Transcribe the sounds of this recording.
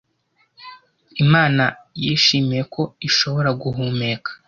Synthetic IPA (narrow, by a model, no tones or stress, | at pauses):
imaːnajiːʃiːmije̞kʰo̞iʃo̞βo̞ɾaɡuɦuːme̞ːkʰḁ